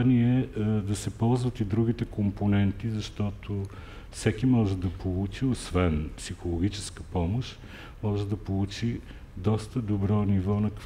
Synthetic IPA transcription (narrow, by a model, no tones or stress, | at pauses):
niɛd̪ɐsɛpɔlˠzvɐt̪id̪ɾuɡit̪ɛkomponɛnt̪izɐʃt̪ɔt̪ʰo | fsɛkimɔʒɛd̪ɐpolˠut͡ʃiosvɛnpsixolˠoɡ̟ʲit͡ʃɛskəpɔmoʃ | mɔʒɛd̪ɐpolˠut͡ʃi | d̪ɔst̪əd̪obɾɔnivɔnɐk